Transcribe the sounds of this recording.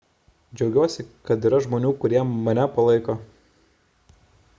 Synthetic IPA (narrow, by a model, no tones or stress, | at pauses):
d͡ʒʲɛʊɡʲuɔsʲɪkɐt̪iːɾɐʒmoːnʲuːkʊɾʲiɛmɐnʲɛpɐlˠɐɪkoː